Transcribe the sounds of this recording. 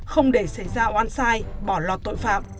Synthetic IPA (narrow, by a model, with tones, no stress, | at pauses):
xə˧wŋ͡mɗe˧˩sa˧˩jzaː˧ʔwaː˧nsaː˧jɓɔ˧˩lɔː˨˩t̚t̪o̰˧˨jfa̰ː˧˨m̚